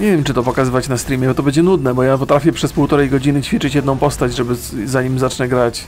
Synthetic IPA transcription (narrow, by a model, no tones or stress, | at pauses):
ɲevjɛmt͡ʂɨt̪ɔpɔkazɘvat͡ɕnast̪ɾʲimʲjɛbɔt̪ɔbɛɲd͡ʑɛnud̪nɛbɔjapɔt̪ɾafʲjɛpʂɛspuwt̪ɔɾɛjɡɔd͡ʑinɘt͡ɕfʲit͡ʂɘt͡ɕjɛd̪nɔ̃w̃pɔst̪ad͡ʑʐɛbɘzaɲimzat͡ʂɲɛɡɾat͡ɕ